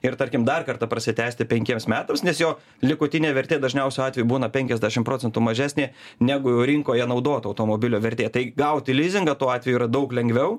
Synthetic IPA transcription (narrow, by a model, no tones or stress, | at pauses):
ɪɾt̪ɐɾʲkʲɪmd̪ɐrkɐrt̪ɐpɾɐsʲɪt̪ʲæːsʲt̪ʲɪpʲɛŋʲkʲiɛmsmʲæːt̪ɐmsnʲɛsjoː | lʲɪkʊt̪ʲɪnʲeːʋʲɛɾʲt̪ʲeːd̪ɐʒʲnʲɛʊsʲoɑːt̪ʲʋʲɛjubuːnɐpʲɛŋʲkʲɛzʲd̪ʲæʃʲɪmpɾoːt͡sʲɛnt̪umɐʒʲæːsʲnʲeːnʲæːɡʊjɛːɾʲɪŋkoːjiɛnɐʊd̪oːt̪ɐʊt̪oːmoːbʲɪlʲoːʋʲɛɾʲt̪ʲeːt̪ɐɪɡɐʊt̪ʲɪlʲiːzʲɪŋɡɐt̪uːɑːt̪ʲʋʲɛjuiːɾɐd̪ɐʊklʲɛŋʲɡʋʲɛʊ